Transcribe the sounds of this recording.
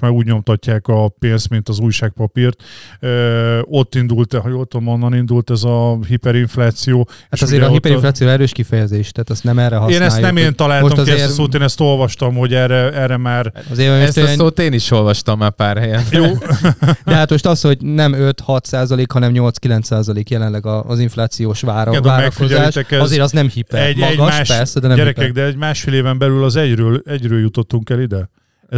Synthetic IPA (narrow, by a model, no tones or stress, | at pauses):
ʃmaːɾuːɟɲo̞mt̪ɒcːaːkɒpeːnst̪mint̪ɒzuːjʃaːk̚pɒpirt̪øːo̞t̪ːind̪ult̪hjoːlt̪ːolmonːɒnind̪ult̪ɛzɒhipɛɾiɱflaːt̪sijoːat̪ɒzeːɾɒipɛɾiflaːt̪sijoːɾɛɾøːʃkifɛjɛzeːʃt̪ɛːt̪ɛst̪nɛmɛrːɛɦɒeːnnɛaːjunɛmeːnt̪ɒlaːlmoʃoɒɛeːsoːt̪eːnɛst̪o̞lvɒʃt̪ɒmho̞ɟɛrɛɛrːɛmaːɾɒzeːɾoɛst̪soːt̪eːniʃo̞lvɒʃt̪ɒmːaːpaːrhɛjɛnjo | d̪ɛɦat̪mo̞ʃt̪ɒsho̞ɟnɛmøt̪hɒt̪saːzɒleːkhɒnɛmɲo̞ltskilɛnt̪saːzɒleːkjɛlɛnlɛɡɒːziɱflaːt̪sijoːʃʋaːɾaːɾmɛkkizɛlaːʃɛkɛɒzzeːɾɒznɛmhipɛɛmɒɡɔʃːʃpɛrsɛd̪ɛnɛmɛɾɛkɛkd̪ɛɛɟmaːʃfeːleːvɛmbɛlylɒzɛɟɾøːlɛɟɾøːljut̪ot̪ːuŋkɛlid̪ɛ | ɛ